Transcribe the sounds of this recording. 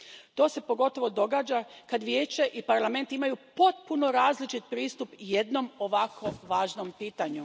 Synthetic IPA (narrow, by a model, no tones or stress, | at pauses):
t̪o̞ːse̞po̞ɡo̞t̪o̞ʋo̞d̪o̞ɡaːd͡ʒakad̪ʋje̞ːt͡ʃe̞ʔipaɾlˠame̞nt̪imajupo̞t̪̚puno̞ɾaːzlit͡ʃit̪̚pɾiːst̪upjed̪no̞moʋakʰo̞ʋaːʒnompiːt̪aɲu